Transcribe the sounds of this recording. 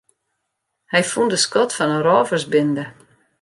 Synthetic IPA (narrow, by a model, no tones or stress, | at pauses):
hɛjfundəskɔtfɔnənrɔːvərsbɪndə